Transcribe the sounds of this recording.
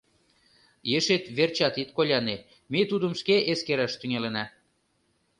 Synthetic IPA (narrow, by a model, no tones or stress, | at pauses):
jeʃet̪βert͡ɕɑt̪it̪̚kolʲɑne | met̪ud̪əmʃkeʔeskeɾɑʃt̪yŋelenɑ